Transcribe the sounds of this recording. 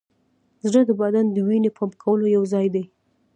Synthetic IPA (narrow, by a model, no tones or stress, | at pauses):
zɽəd̪əbad̪and̪əwinepʰɑmkʰawəlojawzɑjd̪ej